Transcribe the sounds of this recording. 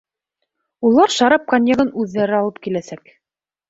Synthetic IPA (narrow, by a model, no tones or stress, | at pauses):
ulˠɑɾʃɑɾɑp̚kanʲjɤ̆ʁɤnʉðːæɾɘɑlˠɤp̚kilæsæk